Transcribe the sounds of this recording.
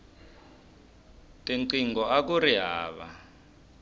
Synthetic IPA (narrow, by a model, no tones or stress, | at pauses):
tʼiǀiŋɡɔak̬uriɦaːβa̰